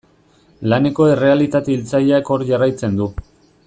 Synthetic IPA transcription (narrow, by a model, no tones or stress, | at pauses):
lane̞ko̞e̞re̞alit̪at̪eilt͡saʎako̞ɾʝarajt͡se̞nd̪u